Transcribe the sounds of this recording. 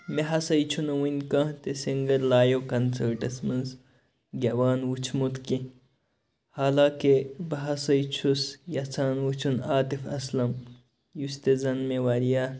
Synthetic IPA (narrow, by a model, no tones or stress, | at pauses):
meɦɐsɐjt͡ʃʰunɐwinkɐ̃t̪esiŋɡɐɾlaːjokɐnsɐɾʈɐsmɐnz | ɡʲɐwaːnwut͡ʃʰmut̪kĩ | haːlaːkebɐɦɐsɐjt͡ʃʰusjɐt͡sʰaːnwut͡ʃʰunaːt̪ifɐslɐm | just̪ezɐnmewɐɾija